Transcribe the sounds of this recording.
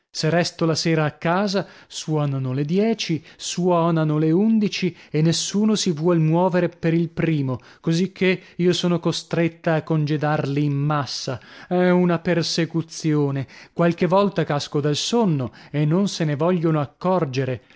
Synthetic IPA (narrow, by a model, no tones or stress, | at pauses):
serːɛst̪olaseːɾaːkːaːza | swɔːnanoled̪jɛːt͡ʃiswɔːnanoleund̪it͡ʃienːesːuːnosivwɔlmwɔːveɾepeɾilpɾiːmo | kozikʰːeiːosoːnokost̪ɾet̪ːaːkːond͡ʒed̪arliːmːasːaɛunapersekut̪sjoːnekwalk̟evːɔlt̪akaskod̪alsonːoenːonsenevɔʎːonoakːɔrd͡ʒeɾe